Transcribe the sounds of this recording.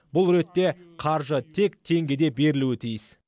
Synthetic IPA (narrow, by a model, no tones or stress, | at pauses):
bʊlˠɾe̞t̪ːe̞qʰɑɾʒət̪ʰe̞k̚t̪ʰe̞ŋɡʲed̪e̞be̞ɾɪluɪt̪ʰijɪs